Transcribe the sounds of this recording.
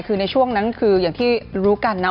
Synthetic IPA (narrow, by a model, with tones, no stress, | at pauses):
kʰɯː˧na˧jt͡ɕʰu˥˩əŋna˦˥nkʰɯː˧jaː˨˩ŋt̪ʰiː˥˩ɾuː˦˥ka˧nːa˦˥